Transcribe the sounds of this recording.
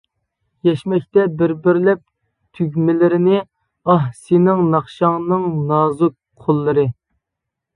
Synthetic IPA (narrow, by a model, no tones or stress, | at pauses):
jɛʃmɛkʲt̪ɛbɪɾbɪɾlɛp̚ | t̪ʰyɡʲmɪlɪɾɪnɪ | ɑɦsinɪŋnɑχʃɑŋnɨŋnɑːzʊk̚ | qʰolˠːɨɾɨ